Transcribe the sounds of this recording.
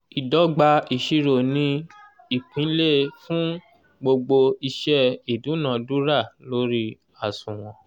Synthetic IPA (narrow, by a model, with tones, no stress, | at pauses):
i˨dɔ˨˦ɡ͡ba˧i˨ʃi˧ɾo˨nĩ˦ | i˦˨pʰĩ˨˦le˦fũ˦ | ɡ͡bo˧ɡ͡bo˧i˧ʃɛ˦i˨dũ˨˦nã˨du˦ɾa˦˨lo˦ɾi˦ | a˨sũ˨w̃ɔ̃˨